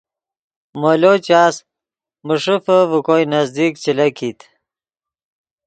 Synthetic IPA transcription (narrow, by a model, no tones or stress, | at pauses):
molot͡ɕaːs | muʂifəvukojnɐzd̪ikt͡ɕilɐkʰit̪